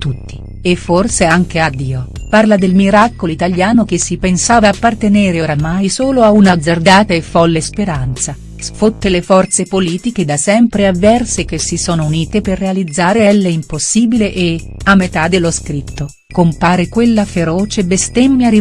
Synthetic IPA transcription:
t̪ut̪ːi̥ | efːorseaŋk̟ead̪ːiːoparlad̪elmiɾakoloit̪aljaːnok̟esːipensaːvaːpːart̪eneːɾeoɾamajsoːloaunad̪zard̪aːt̪aefːɔlːespeɾant̪sa | sfot̪ːelefɔrt̪sepoliːt̪ik̟ed̪asɛmpɾeavːɛrsek̟esːisoːnouniːt̪eperːealid̪zːaːɾeɛlːeimposːiːbileʔe | amːet̪ad̪elːoskɾit̪ːo | kompaːɾekwelːafeɾɔːt͡ʃebest̪emːjaɾi

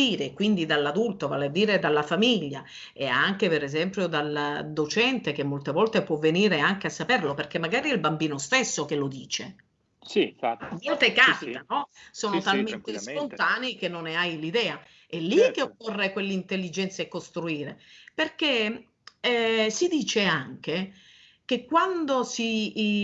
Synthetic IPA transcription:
iːɾekwind̪id̪alːad̪ult̪ova̰ːlead̪ːiːɾed̪alːafamiʎːa | eaŋk̟epeɾezɛmpɾjod̪ald̪ot͡ʃɛnt̪ek̟emːolt̪evɔlt̪epwɔvːeniːɾeaŋk̟easːaperloperk̟emːaɡaːɾiɛilbambiːnost̪esːokelod̪iːt͡ʃe | volt̪ekaːpit̪anɔsoːnot̪alment̪espont̪aːnik̟enːoneajlid̪ɛːa | ɛlːikːeokːorːekwelːeint̪elːid͡ʒɛnt̪saekːost̪ɾuiːɾeperke | ɛsid̪iːt͡ʃeaŋk̟e | k̟ekːwand̪osi

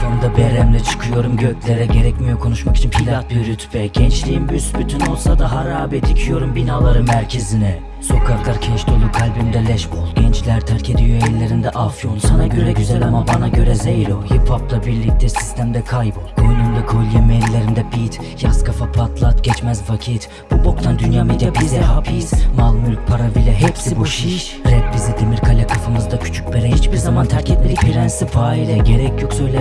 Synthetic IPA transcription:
fand̪abelʲæmlʲit͡ʃʰɯ̥kʰɯjo̞ɾumɟøcʰʲlʲeɾɛɟe̞ɾɛcmijo̞kʰo̞nuʃmaki̥t͡ʃʰimpʰilʲˠat̪̚biɾyt̪ʰbɛɟ̥ɛnt͡ʃlʲijinbysbyt̪ʰyno̞lˠsad̪aɦaɾaːbed̪icʰijo̞ɾumbinaːlˠaɾɯmæɾcʰe̞zinɛ | so̞kʰaklˠaɾcʰɛʃt̪ʰolˠukʰːalʲbinid̪ɛlʲɛʃbolˠɟɛnt͡ʃlʲæɾt̪ʰæɾcʰed̪ijøellːʲe̞ɾind̪ɛʔafjo̞nsanaɟøɾɛɟyzɛlʲamabanaɟø̞ɾɛzejɾohiphaplˠabiɾlʲic̚t̪ʰɛsi̥st̪ʰæmd̪ɛkʰajbulˠkʰojnumd̪akʰo̞lʲijɛmeɾlʲeɾind̪ɛbit̪ | jaskʰafapʰat̪lˠat̪ɟɛt͡ʃmɛzvacʰit̪ | b̥ubokt̪ʰand̪ynjamid̪ɛpʰizɛɦapʰismalˠmylʲc̚pʰaɾabilʲɛɦɛpsibuʃiʃ | ɾɛp̚bizid̪emiɾkʰalʲɛkʰafɯmɯzd̪acʰy̥t͡ʃʰy̥c̚beɾɛhit͡ʃpiɾzamant̪ʰæɾcʰɛt̪ʲeɾipʰiɾænsipʰaːilʲɛɟeɾɛcʰjoksøjlʲɛ

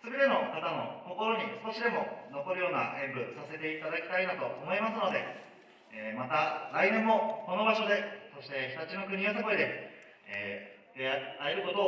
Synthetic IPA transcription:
sɨbet̪e̞no̞kat̪ano̞̰ko̞ko̞ɾo̞ɲ̟isɨ̥ko̞ɕid̪e̞mo̞no̞ko̞ɾɯ̟jo̞ːna̰ʔẽ̞mbɯ̟sase̞t̪e̞it̪ad̪akʲi̥t̪ainat̪o̞ʔomo̞imasɨno̞d̪e̞ | eːmat̪aɾainẽ̞mːo̞ko̞no̞baɕo̞d̪e̞so̞ɕi̥t̪e̞çi̥t̪at͡ɕinok̬ɯ̟ɲ̟iot̪̬okoɾid̪e̞s | t̪eaeɾɯ̟ko̞t̪o

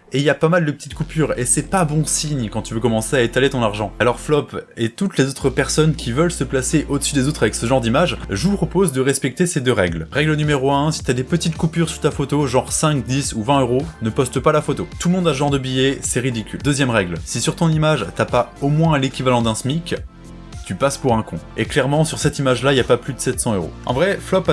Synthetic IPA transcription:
eiljapamald̪əpə̥t̪it̪kupyʁesɛpabɔ̃siɲkɑ̃t̪yvøkɔmɑ̃seaet̪alet̪ɔ̃naʁʒɑ̃alɔʁflɔpet̪ut̪lezot̪χəpɛʁsɔnkʲivəlsəplaseʔod̪əsyd̪ezot̪χavɛksəʒɑ̃ʁd̪imaʒʒəvupχɔpozd̪əʁɛspɛk̚t̪esed̪øʁɛɡlʁɛɡlənymeʁoɛ̃si̥t̪yad̪epət̪it̪kupyʁsyʁt̪afot̪oʒɑ̃ʁsɛ̃kd̪isuvɛ̃øʁonəpɔst̪əpalafot̪ot̪ulmɔ̃d̪aʒɑ̃ʁd̪əbijɛsɛʁid̪ikʲyld̪øzjɛmʁɛɡlsisyʁt̪ɔ̃nimaʒt̪yapaomwɛ̃lekʲivalɑ̃d̪ɛ̃smikʲ | t̪ypaspuʁɛ̃kɔ̰̃eklɛʁmɑ̃syʁsɛt̪imaʒlailjapaplyd̪əsɛt̪sɑ̃øʁo̰ɑ̰̃vʁɛflɔp

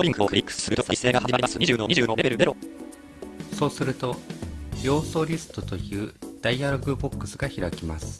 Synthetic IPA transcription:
oɾʲĩŋkɯokɯɾʲikːɯ̥ssɨɾɯ̟t̪osaiseːɡahaimaɾimasɨɲiʑɨːnoɲiʑɨːnoɾebe̞ɾɯd̪eɾo | so̞ːsɨɾɯ̟t̪o̞jo̞ːso̞ːɾʲisɨ̥t̪o̞t̪o̞jɯ̟ːd̪̥aiaɾoɡɯ̟bo̞kːɯ̥sɨɡaçiɾakʲimasɨ̥

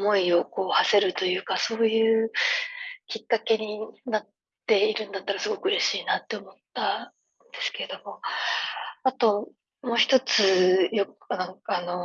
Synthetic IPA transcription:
mo̞io̞ko̞ːhase̞ɾɯ̟t̪o̞jɯ̟ːkaso̞ːjɯː | kʲikːake̞ɲ̟inat̪ː | e̞iɾɯ̟̃nd̪at̪ːaɾasɨɡo̞kɯ̟ɯ̟ɾe̞ɕiːnat̪ːe̞omo̞t̪ːa | nd̪e̞sɨ̥ke̞e̞d̪o̞mo̞ | at̪o̞ | mo̞ːçi̥t̪o̞t͡sɨjo̞knãŋkano̞

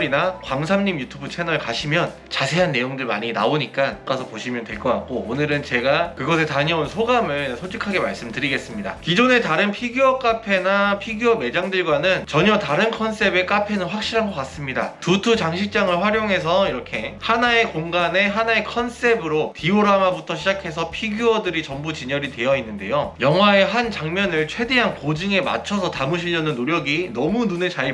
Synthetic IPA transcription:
ɾinakwams̬ʰamɲimjutʰubut͡ɕʰenʌɭkaɕʰimjʌn | t͡ɕasʰe̞ɦanːe̞joŋdɯɭma̰ɲina̰oɲik͈ank͈asʰʌpoɕʰimjʌntweɭk͈ʌk͈a̰k̚k͈oonɯɾɯnt͡ɕe̞ɡakɯɡʌs̬ʰetaɲʌnsʰoɡamɯɭsʰod͡ʑʰikʰaɡe̞maɭs͈ɯmtɯɾiɡe̞s͈ɯmɲida̰kid͡ʑone̞taɾɯnpʰiɡuʌk͈apʰe̞napʰiɡjʌme̞d͡ʑaŋdɯɭɡwanɯnt͡ɕʌɲʌtaɾɯnkʰʌns͈e̞be̞k͈apʰe̞nɯnɸwak̚ɕ͈iɾɦanɡʌk͈as͈ɯmɲida̰tutʰut͡ɕaŋɕʰik̚t͡ɕ͈aŋɯɭɸwaɾjoŋɦe̞s̬ʰʌiɾʌkʰe̞hanae̞koŋɡane̞ɦanae̞kʰʌns͈e̞bɯɾotioɾamabutʰʌɕʰid͡ʑakʰe̞sʰʌpʰiɡjuʌdɯɾit͡ɕʌmbut͡ɕiɲʌɾite̞jʌinːɯnde̞̰jojʌŋɦwae̞ɦant͡ɕaŋmjʌnɯɭt͡ɕʰwe̞de̞ɦanpod͡ʑɯŋe̞ma̰t͡ɕʰʌsʰʌtamɯɕ̬ʰiʎʌnɯnːoɾjʌɡinʌmununet͡ɕaɭ

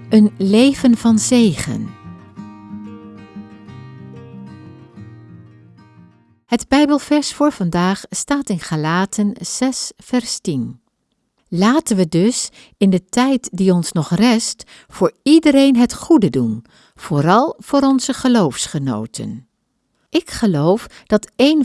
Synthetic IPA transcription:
ʔənlejvənvɑnzejχə̰n | ɦədbɛjbəlˠvɛɹsfʊːɹv̥ɑndaːχstaːtɪnχalaːtʰənz̥ɛsfɛɹstin | laːtənʋədɵs | ɪndətɛjtdiɔnsnɔχrɛst | fʊːɹidəɾejnɦətχudədun | v̥ʊːɾɑlˠv̥ʊːɾɔnzəχəlowfsχəno̰wtʰə̰n | ʔɪkχəlowfd̥ɑtejn

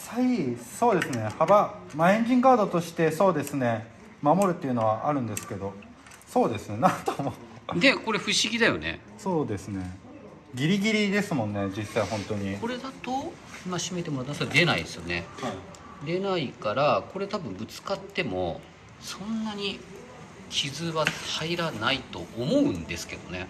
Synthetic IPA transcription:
saiso̞ːd̪e̞sɨne̞habamaẽ̞ɲ̟d͡ʑĩŋkaːd̪o̞t̪o̞ɕi̥t̪e̞so̞ːd̪e̞sɨne̞ | mamo̞ɾɯ̟t̪ːeiɯ̟no̞βaʔaɾɯ̟̃nd̪e̞sɨ̥ke̞d̪o̞ | so̞ːd̪e̞sɨne̞nãnt̪omod̪e̞ko̞ɾe̞ɸɯ̟ɕiɡʲid̪ajo̞̰ne̞̰ | so̞ːd̪e̞sɨne̞ | ɡʲiɾʲiɡʲiɾʲid̪e̞sɨmõ̞nːe̞d͡ʑisːaiɦõ̞nt̪o̞ɲ̟iko̞ɾe̞d̪at̪o̞ | imaɕime̞t̪emoat̪ːmsd̪e̞naḭd̪esɨjo̞̰ne̞ha | d̪e̞naikaɾako̞ɾe̞t̪abɯ̟̃mbɯ̟t͡sɨ̥kat̪ːe̞mo̞̰ | sõ̞nːaɲ̟i | kʲʰizɨβat̪aiɾanait̪o̞̰ʔːmo̞ɯ̟̃nd̪e̞sɨ̥ke̞d̪o̞̰ne

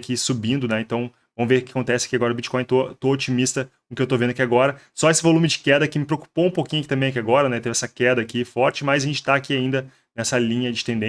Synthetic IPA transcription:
kisubĩnd̪ʊnɛẽt̪ɐ̃w̃ | vɐ̃mʊveɾʊkɪɐkõnt̪ɛsɪɐ̥kiaɡɔɾɐʊbit͡ʃɪ̥kɔ̃j̃t̪ot̪oot͡ʃimist̪ɐ | kʊkɪewt̪ovẽd̪ɐakiaɡɔɾɐsɔesɪvolũmɪd͡ʒɪkɛd̪ɐkɪmɪpɾeoku̥poũpokĩɲʊɐkit̪ɐ̃mbẽakiaɡɔɾɐnɛt̪evɛsɐkɛd̪ɐaːkifɔɾt͡ʃɪmazaʒẽt͡ʃɪ̥t̪aːkiaĩnd̪ɐ | nɛsɐlĩɲɐd͡ʒɪt̪ẽnd̪ẽ

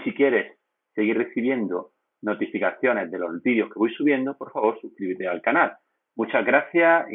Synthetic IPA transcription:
sikje̞ɾe̞sː | e̞ɣire̞θiβ̞je̞nd̪o | no̞t̪ifikaθjo̞ne̞zðe̞lo̞zbiðjo̞hkeojsuβ̞je̞nd̪opo̞ɾfaβo̞ɾsukɾiβit̪ealkanal | mut͡ʃaɣɾaθja

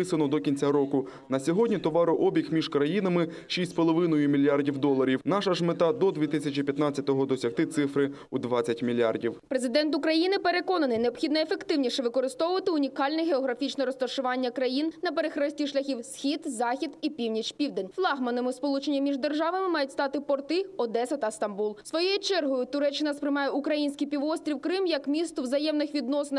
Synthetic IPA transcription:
ɪsɐnɔd̪ɔkʲinʲt͡sʲaɾɔkʊ | nɐsʲɔɦɔdʲnʲit̪ɔʋɑɾʊʔɔbʲixmʲiʒkɾɐjinɐmɪ | ʃisʲpɔlˠɔʋɪnʊjʊmʲilʲjardʲiwd̪ɔlˠɐɾʲiwnɑʃɐʒmet̪ɑd̪ɔd̪ʲʋʲit̪ɪsʲɐt͡ʃipʲjɐt̪nɑt͡sʲːɐt̪ɔɦɔd̪ɔsʲɐxt̪ɪt̪sɪfɾɪ | ud̪ʋɑɐtʲmʲilʲːardʲiwpɾezɪd̪ɛnt̪ʊkɾɐjinɪpeɾe̞kɔnɐnɪjneɔbxʲid̪nɐefekt̪ɪwnʲiʃɛʋɪkɔɾɪst̪ɔʋʊʋɐt̪ɪʊnʲikɑlʲnɛɦeɔɦɾɐfʲit͡ʃnɛɾɔst̪ɔʃʊʋɑnʲːɐkɾɐjinnɐpeɾexɾɛsʲtʲiʃlʲɐxʲiwsxʲid̪zɑxʲid̪ipʲiwnʲit͡ʃpʲiwd̪enʲflˠɑɦmɐnɪmɪspɔlˠut͡ʃenʲːɐmʲiʒd̪erʒɑʋɐmɪmɑjʊtʲst̪ɑt̪ɪpɔrt̪ɪɔd̪ɛsɐt̪ɐst̪ɐmbulˠsʋɔjɔjit͡ʃɛrɦɔjʊt̪ʊɾɛt͡ʃːɪnɐspɾɪmɑjɛukɾɐjinʲsʲkɪjpʲiʋɔst̪ɾʲiwkɾɪmjɐkmʲist̪ɔwzɐjɛmnɪxʋʲid̪nɔsenɪ

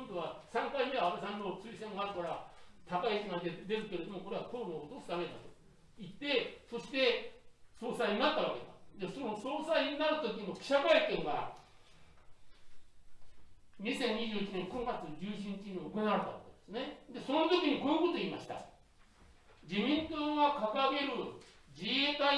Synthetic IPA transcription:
õnt̪oβasãŋkaime̞βaabesãnːo̞t͡sɨisẽ̞ŋɡaɾɯ̟kaɾat̪akaisiŋad̪ed̪e̞zɨkeɾed̪o̞mo̞ko̞ɾe̞ak̪ʰoːnoot̪osɨd̪ame̞d̪a̰t̪o̥ | it̪ːe̞so̞ɕi̥t̪e̞so̞ːsaiɲ̟inat̪ːaβ̞ake̞d̪ad̪e̞sonosoːsaiɲinaɾɯ̟t̪o̞k̬ʲiɲiokʲi̥ɕakaikẽ̞ŋɡa | ɲ̟isẽ̞ɲ̟ʲːiʑɨːit͡ɕine̞ŋkõ̞ŋɡat͡sɨd͡ʑɨːɕ̬ĩɲ̟it͡ɕiɲ̟ioko̞naɾet̪aβa̰ked̪̥esɨne̞d̪e̞so̞not̪o̞kʲiɲ̟ikoːjɯko̞t̪o̞iːmaɕi̥t̪a̰ | d͡ʑimʲĩnt̪oːɡakakaɡe̞ɾɯ̟ | d͡ʑiet̪ai

